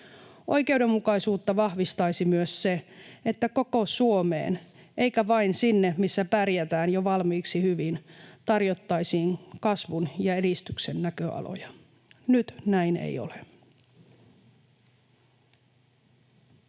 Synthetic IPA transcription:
o̞̰ike̞uwdemːukɑisuːt̪ːɑʋɑhʋist̪ɑisimyøsseet̪ːæko̞ko̞suomḛːn | ʔeikæʋɑinsinːemisːæpærjæt̪æːnjoʋɑlmiːksihyʋint̪ɑrjot̪ːɑisiːŋkɑsʋunjɑeɾist̪yksenːækøɑ̰lo̰jɑ | nyt̪næinḛjo̞̰le

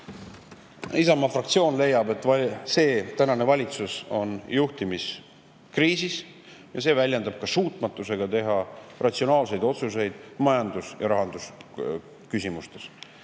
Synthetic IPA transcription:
isɑmɑfrɑk̚t̪sio̞ːnle̞jːɑbe̞t̪ːˑse̞ːt̪ænɑne̞vɑlʲit̪suso̞njuht̪imis | kriːsis | jɑse̞ːvælʲjend̪ɑb̥̚kɑsuːt̪ˑmɑt̪ːˑuse̞ɡ̥ɑt̪e̞ɦɑrɑt̪sio̞nɑːlse̞jd̪o̞t̪suse̞jd̪̥mɑjɑnd̪̥usjɑɾɑɦɑnd̪̥us | kysimust̪e̞s

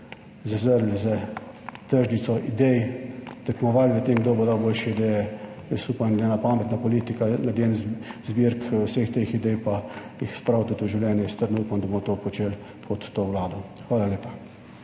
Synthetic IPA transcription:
zɐzəɾlʲzɛ | t̪əɾʒnit̪sɔʔid̪ɛjt̪ɛkmɔʋalʲʋət̪emɡd̪oːbod̪awboːlʃɛid̪ɛjɛ | suːpanɐɡ̪lʲjenapaːmɛt̪napɔliːt̪ikanad̪lʲjeːnzzbiɾkusəxt̪exid̪ɛjpajixspɾawt̪ut̪oʒiwlʲjɛːnjɛist̪əɾd̪nuːpamd̪ɐbomɔt̪opɔt͡ʃel | pʰɔt̪ːoːwlaːd̪ɔxʋaːlaleːpa

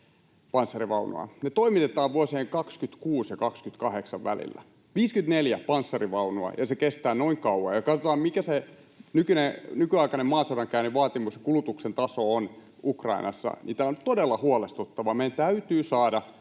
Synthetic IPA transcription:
pɑnsːɑriʋɑunṵɑ̰net̪oimit̪et̪ɑːʋʋuosieŋkɑkskyt̪kuːsjɑkɑkskyt̪kɑheksɑʋʋæ̰lḭlːæ̰ | ʋiːskynt̪neljæpɑnsːɑriʋɑunuɑ̰jɑsekest̪æːnoiŋkɑuɑ̰jɑkɑt̪ot̪ɑːmmikæse | nykynenykyɑikɑnemmɑːseuɾɑŋkæyniʋɑːt̪imusjɑ̥kulut̪uksent̪ɑsoon | ʔukrɑ̰inʔɑ̰sːɑ̰nḭːt̪æont̪odelːɑhuɑlest̪ut̪ːɑʋɑmejænt̪æyt̪yːsɑːdɑ

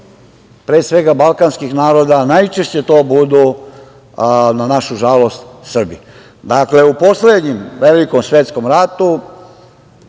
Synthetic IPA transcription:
pɾesʋe̞ɡabalˠkanskixnaːɾo̞d̪anajt͡ʃeʃt͡ɕe̞t̪o̞ːbud̪u | nanaʃuʒalo̞st̪sr̩bḭ | d̪akle̞upo̞sled̪ɲimʋelikomsʋjet̪sko̞mɾat̪u

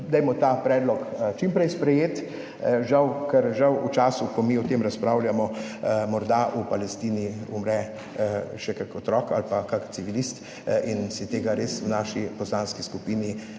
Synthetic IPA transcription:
d̪ɛjmɔt̪apɾɛːd̪lɔkt͡ʃimpɾɛjspɾɛjeːt̪ | ʒawkɛɾʒawut͡ʃaːsukɔmiːɔt̪emɾaspɾawljamɔmɔɾd̪aʔupalɛst̪iːniumɾɛ | ʃɛkakɔt̪ɾɔːka̰lpakakt̪siʋilist̪ | insit̪eːɡaɾeswnaːʃipɔslaːnskiskupiːni

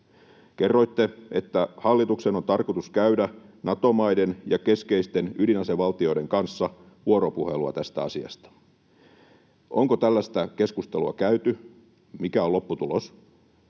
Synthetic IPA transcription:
kerːo̞jt̪ːee̞t̪ːæhɑlːit̪ukseno̞nt̪ɑrkot̪uskæydænɑt̪o̞mɑjdenjɑke̞skeist̪e̞nylinɑseʋɑlt̪io̞ide̞ŋkɑnsːɑ | ʋuoɾopuhe̞luɑ̰t̪æst̪æɑsiɑ̰st̪ɑ̥ | ʔoŋkot̪ælːæst̪æke̞skust̪e̞luɑkæyt̪y | mikæolo̞pːut̪ulos

